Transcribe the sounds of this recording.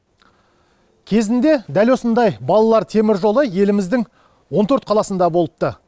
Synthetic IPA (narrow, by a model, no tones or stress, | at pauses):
kʲʰe̞zɪnd̪e̞d̪ælwo̞sənd̪ɑjbɑlˠɑlˠɑɾt̪ʰe̞mɪɾʒo̞lˠəje̞lɪmɪzd̪ɪŋ | wo̞nt̪ʰɵɾt̪̚qʰɑlˠɑsənd̪ɑbo̞lˠəp̚t̪ə